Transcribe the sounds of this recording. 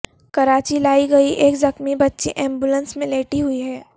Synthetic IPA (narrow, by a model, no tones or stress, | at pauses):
kɐɾaːt͡ʃilaːiɡɐiʔeːkzɐxmibɐtːʃḭʔɛ̃ːmbulə̃nsmẽleːʈiɦʊiɦɛː